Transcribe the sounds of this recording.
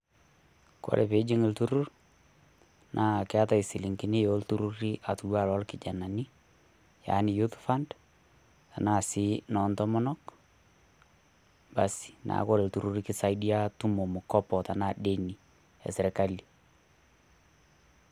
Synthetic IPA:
kɔ̰˦lʔɛ˨pe˨˦d͡ʒɪ˦ŋɪ˨ltu˦ɾʊ˦r | nʔa˦˨kɪ˦a˦ta˨ɪ˨sɪ˨lɪ˨ŋkɪ˨nɪ˦jo˦ltu˦ɾu˦ɾi˦ʔa˨tu˨wa˦˨lɔ˦lkɪ˨d͡ʒa˨na˨ni˦ | ja̰˨˦nɪ˨ju˦tfa˦nd | ta˨na˦˨sɪ˦nɔ˨ntɔ˦mɔ˦nɔ˦k | ba˨si̥˨na̰˨˦kɔ˦lɛ˨ltu˨ɾu˦ɾikɪ˦sa˦ɪdi˦a˦tʊ˦mo˨mʊ˨kɔ˦pɔ˨ta˨na˦˨de˦ni˨ | ɛ̰˨sɪ˨ɾɛ˨ka˦li˨

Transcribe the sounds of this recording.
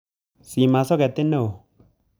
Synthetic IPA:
si˨ma˨sɔ˦kɛ˨t̪e˦ne˦˨o˨

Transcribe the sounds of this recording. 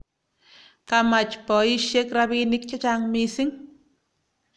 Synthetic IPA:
ka˨ma˨t͡ʃpɔ˨i˦ʃe˦kɾa˧βi˧nik̚t͡ʃa˦t͡ʃa˧ŋmi˧si˦ŋ

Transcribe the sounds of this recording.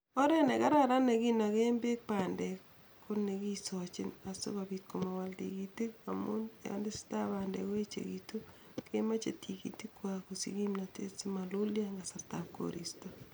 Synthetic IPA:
ɔ˦ɾɛ˦nɛ˨ka˦ɾa˦ɾa˦ne˨ki˦na˨ke˦mbe˦k̚pa˨ndɛ | ko˦neki˦sɔ˨t͡ʃɪ˦na˨so̰˦βabi˨t̚koma˨waltḭkiti˦ka̰munja̰nde˦si̥˦ta˦pandɛ̰ko˦e˦t͡ʃḛ˨kito˦ | kema˦t͡ʃḛ˨tʰikḭ˨ti˦kwa˨ku˨sḭki˦mna˨te˦si˦ma˨luljaŋɡa˨sa˨ɾtap̚ko̰ɾḭsto

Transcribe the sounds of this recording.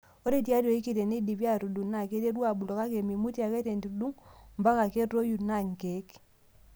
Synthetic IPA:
o˦ɾe˨tja˦to˨i˦ki˨te˨ne˦di˨βja˦ɾu˨du˨na˨ke˦te˦ɾwa˨bu˨lɔ˨ka˦ke˨mi˨mu˦tja˨kɛ˦te˨ndi˨u˨du˦ŋmba˦ka˨ke˦tːo˦ju˨na˦˨ŋ˨ke˨˦k

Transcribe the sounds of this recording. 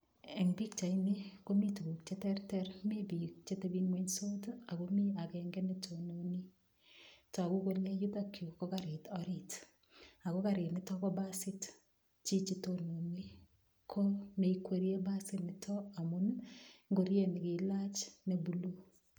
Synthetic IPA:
ɛ˨ŋbi˦kt͡ʃa˨inɪ˦ko˦mi˦tu˨bu˨kt͡ʃe˦tɛɾtɛɾme˦bi˨kt͡ʃe˦te˦bi˦ŋwe˦ɲso˦ta˨ko˦mi˦a˨kɛŋɡɛ˦ne˦tʰo˨no˨ni˦ | tɔ˨a˨ku˦ko˦le˦ju˦ta˦kʰju˨kɔ˦ka˨ɾɪ˨tɔɾɪt | a˨ko˦ka˨ɾɪ˨tnɪ˦tɔ˦kɔ˦ba˦sɪ˦t | t͡ʃi˦t͡ʃi˦to˨no˨ni˦ | kʰo˦me˨ikwe˨ɾije˦ba˦sɪ˦nɪ˨tʰɔ˦a˨mu˦nŋɡo˨ɾje˦˨nɪ˨kɪ˨la˦t͡ʃne˦bu˨lu˦

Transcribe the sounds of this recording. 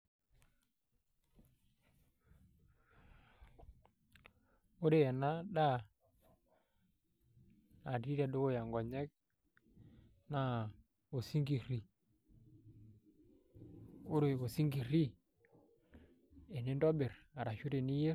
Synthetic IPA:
o˦ɾe˦˨ja˨na˦ɗa˦˨ | a˨ɾi˦ɾa˨ɗo˦ɡo˦ja˨ŋɡɔ˨ɲɛ˦k̚ | na˦ | o˨si˦ŋɡi˨ɾi˨ | o˦ɾe˨o˨si˦ŋɡi˨ɾi˦ | e˨ne˦ndɔ˦be˨ɾa˨ɾa˨ʃu˦ɾe˨ni˦je˦

